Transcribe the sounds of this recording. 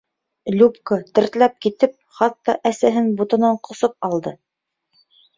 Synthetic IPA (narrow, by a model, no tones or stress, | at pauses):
lʲupkət̪ɘ̆ɾt̪læp̚kit̪ɘp̚χɑt̪ːɑʔæsæɦɘnbut̪ɤ̆nɑɴqŏsɤp̚ɑlˠd̪ɤ